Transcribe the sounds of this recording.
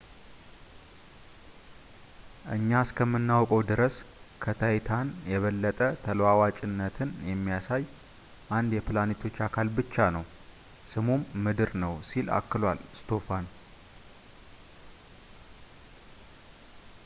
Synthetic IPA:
ʔɨɲːaskʰəmːɨnːawkʼəwd̪ɨɾəskʰət̪ʰajɪt̪ʰanjɛβəlːət̪ʼət̪ʰəlwawat͡ʃʼɪnːət̪ʰɨnjɛmːijasaj | ʔand̪jɛplanet̪ʰo̞t͡ʃːakʰalbɨt͡ʃːanəw | sɨmumːɨd̪ɨɾnəwsila̰kːɨlwalɨst̪ʰo̞fan

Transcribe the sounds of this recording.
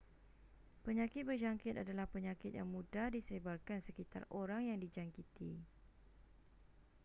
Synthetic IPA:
pəɲãkɪt̪̚bərd͡ʒaŋkɪt̪adalahpəɲãkɪt̪̚ja̰ŋmũdadisəɾebarkansəkit̪a̰roɾaŋjaŋdid͡ʒaŋkit̪i

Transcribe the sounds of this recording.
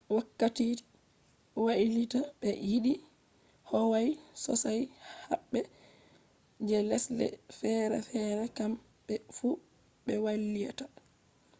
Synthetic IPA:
wakːatit | waʔilitaɓɛjiɗi | hɔwajsɔ̰sajhaɓːɛ | d͡ʒɛlɛslɛ̰fɛɾɛ̰fɛːɾɛkam | bɛfu | ɓɛwalːija̰ta

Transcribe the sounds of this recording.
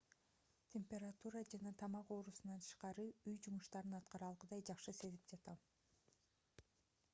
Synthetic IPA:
t̪ʲʰemʲpʲe̞ɾat̪uɾad͡ʒɑnɑt̪ʰɑmɑqo̞ːɾusunɑnt̪ʰɯ̥ʃqɑɾɯyjd͡ʒumuʃt̪ɑɾɯnɑt̪̚qɑɾɑlˠʁɯd̪ɑjd͡ʒɑqʃɯse̞zip̚d͡ʒɑt̪ɑm

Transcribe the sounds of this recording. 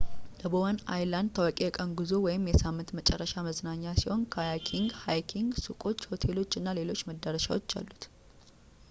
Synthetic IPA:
ləboəna̰jland̪t̪ʰəwakʼejɛkʼənɡuzowɔjɪmjɛsamːɨnt̪mət͡ʃʼɛrːəʃaməznaɲːasiho̞nkʰəjakʰiŋɡhajkʰiŋɡsukʼo̞t͡ʃːho̞t̪ʰe̞lo̞t͡ʃːɨnːale̞lo̞t͡ʃːməd̪ːəɾəʃa̰wot͡ʃːa̰lːut̪

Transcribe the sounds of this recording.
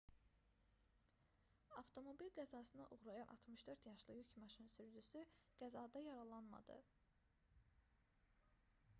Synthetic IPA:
ɑft̪ʰo̞mo̞bilɡæzɑsɯnɑʔuʁɾɑjɑnʔɑ̰t̪ʰmɯʃd̪øɾt̪jɑʃlˠɯjycmɑʃɯnsyɾd͡ʒysyɡ̥æzɑːd̪ɑjɑɾɑlˠɑnmɑ̰d̪ɯ̰

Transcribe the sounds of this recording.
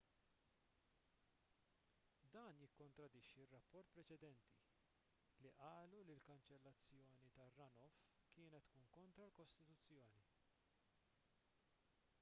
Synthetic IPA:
d̪ɐːnjɪkːɔnt̪ɾɐd̪ɪʃːirːɐpːɔɾt̪̚pɾɛt͡ʃɛd̪ɛnt̪ḭ | liʔɐːlulilkɐnt͡ʃɛlːɐt͡sːjɔːnit̪ɐrːɐnɔf | kɪːnɛt̪ːkuːnkɔnt̪ɾɐlkɔst̪ɪt̪ut͡sːjɔːni

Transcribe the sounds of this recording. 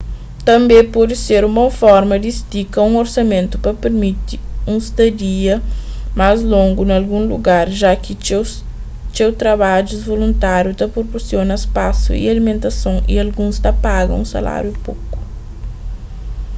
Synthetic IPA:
t̪ɐ̃mbẽpɔdiseɾũmɐfɔɾmɐd̪ist̪ikɐũŋoɾsɐmẽnt̪ʊ̥pɐpeɾmit̪iũst̪ɐd̪iɐ | mazlõŋɡunalɡũluɡaɾʒakɪ | t͡ʃ̪ewt̪ɾɐβaʒuzvolũnt̪aɾjut̪ɐpɾopoɾsjonɐespasṵḭalimẽnt̪ɐsõŋḭalɡũst̪ɐpaɡɐ̰̃ũsa̰la̰ɾjupoku̥

